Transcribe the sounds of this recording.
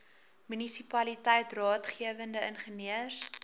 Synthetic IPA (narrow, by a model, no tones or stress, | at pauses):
mynisipɐlitɛjtrɑːtχiəvəndəənχəniərs